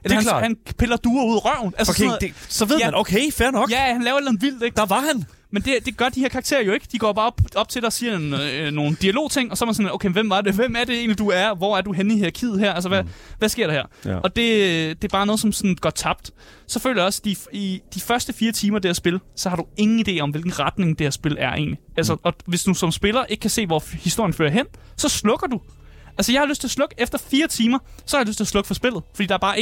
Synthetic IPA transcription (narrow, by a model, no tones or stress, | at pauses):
æhænpʰelɐd̥uːɐuð̰ˠʁɶɐ̰n̩ʔælssnnsɒʋeð̰ˠnokʰeɪfæɐnɒ̽ɡ̥jæhænlɛːʊɐe̝dlænð̩ˠʋil̰d̥eɡ̥d̥ɑʋɑhæn | mend̥e̝d̥e̝ɡ̥ɶɐd̥iheɐkʰɑ̈ːɡ̥̚t͡sʰe̝̰ːɐjo̝e̝ɡ̥əd̥iɡ̥ɒ̰ːb̥ɑ̈ːb̥ɒ̽b̥̚t͡sʰe̝lɾ̥ɑsiːɐnnːo̝ːn̩d̥iælo̝̰ːt͡sʰe̝ŋ̰ɒ̽sɒɐmænsɔ̽noʊkʰenʋemʋɑ̈d̥eʋem̰æɐd̥e̝e̝̰ːnlid̥uæɐʋɒ̰æɐd̥uɦeniheɐ̰kʰið̞̰̩ˠɦæɐ̰ælsəʋæʋæsɡ̥e̝ɐ̰ɾɑ̈hæ̰ɐ̰ɒ̽d̥e̝d̥e̝æɐbɑ̈ːnɔðˠs̬ɒ̽msɒ̽n̩ɡ̥ɶt͡sʰɑ̈b̥̚d̥ | sɒ̽fø̰lɐjɒ̽sd̥iid̥ifɶɐsd̥əfiːɐt͡sʰiːmɐd̥eæɐsb̥e̝lsɒ̽hɑ̈ɾ̥ue̝ŋn̩id̥e̝̰ːɒ̽mʋe̝lɡ̥n̩ʁɑ̈d̥ne̝ŋd̥eeæɐsb̥e̝læɐʔe̝̰ːnliælsɐʔɒ̽ʋe̝sd̥usɒ̽msb̥e̝lɐʔe̝ɡ̥̚kʰæse̝̰ːʋɒ̰hisd̥o̝ɐ̰jənfø̰ːɐɦen̰ | sɒ̽slɔ̽ɡ̥ɐd̥u | ʔælsəjɑɪhɑløsd̥t͡sʰe̝lɐslɔ̽ɡ̥əefd̥ɐfiːɐt͡sʰiːmɐsɒ̽hɑjløsd̥̚t͡sʰe̝ɐslɔ̽ɡ̥fɒ̽sb̥e̝lð̞̩ˠfɒ̽dḭːd̥ɑæɐbɑ̈ː